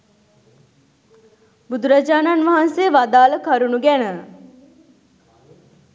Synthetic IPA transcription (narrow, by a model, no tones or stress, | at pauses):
bud̪uɾad͡ʒaːnanʋaɦanseʋad̪aːləkʰɐɾunuɡænə